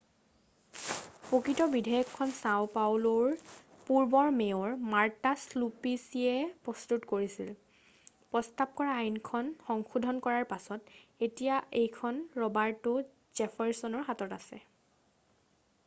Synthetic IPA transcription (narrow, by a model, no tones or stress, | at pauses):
pokɹitɔbidʱajɔkʰːɔnsaʊpawlɔɹ | puɹbɔɹmeɔɹmaɹtaslupisiɛpɹɔstutkoɹisil | pɹɔstap̚kɔɹaːjinkʰɔnxɔŋxudʱɔnkɔɹaɹpasɔtetijaʔejkʰɔnɹɔbaɹtʊ | z̥ɛpʰaɹsɔnɔɹɦatɔtasɛ̰